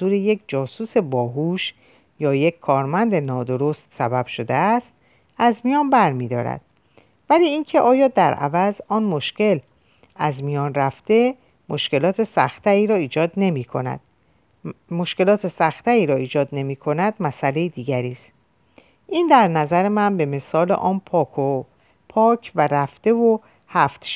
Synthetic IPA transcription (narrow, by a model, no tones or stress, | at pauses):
zuːɾeje̞kʰd͡ʒɒːsuːse̞bɒːɦuːʃ | jɒːjecʰʲkʰːɒːɾmænd̪enɒːd̪o̞ɾost̪sæbæb̥ʃo̞d̪eæst̪ | æzmijɒːnbæɾmiːd̪ɒ̰ːɾæ̰d̪̥̚ | væliːiːncʰe̞ʔɒːjɒːd̪æɾʔæ̰væzɒːnmo̞ʃce̞l | æzmijɒːnræft̪e̞ | mo̞ʃke̞lɒːt̪ʰe̞sæ̰xt̪ʰæɾiːɾɒːiːd͡ʒɒːd̪ne̞miːkʰo̞næ̰d̪̥̚ | moʃke̞lɒːt̪ʰe̞sæxt̪ʰæɾiːɾɒːiːd͡ʒɒːd̪ne̞miːkʰo̞næd̪̚mæsæle̞jid̪iːɡæɾiːst̪ | ʔiːnd̪æɾnæzæɾemænbe̞me̞sɒːlḛʔɒːnpʰɒːkʰo | pʰɒːcʰvæɾæft̪e̞vo | hæft̪ʃ